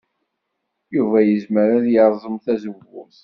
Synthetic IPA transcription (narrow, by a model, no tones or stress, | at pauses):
juvæjəzməɾæðjəɾˤzˤəmθæzəvʊθ